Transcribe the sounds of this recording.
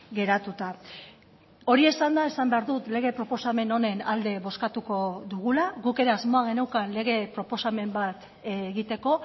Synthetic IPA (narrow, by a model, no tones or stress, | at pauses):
ɡe̞ɾat̪ut̪a | o̞ɾie̞sand̪ae̞sambe̞aɾðut̪le̞ɣe̞pɾo̞po̞same̞no̞ne̞nald̪e̞βo̞skat̪uko̞ðuɣulaɣuke̞ɾe̞azmo̞aɣe̞nawkanle̞ɣ̞e̞pɾo̞po̞same̞mbat̪ | eɣit̪e̞ko̞